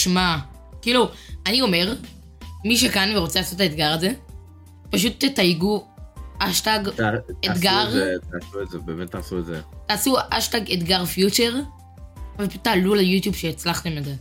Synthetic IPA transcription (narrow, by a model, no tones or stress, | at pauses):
ʃma | kiːluanio̞me̞ʁ | miʃ̬ekanveʁo̞t͡selaːsotetaet̪ɡaʁaze̞ | paʃ̬utːetajiɡuʔaʃtaɡtetɡaʁet̪aːsuezebeːmettːaːsuezḛt̪aːsuʔaʃtaɡet̪ɡaʁfjut͡ʃeʁ | veptaːlulejutjubʃeːt͡slaχt̪e̞meze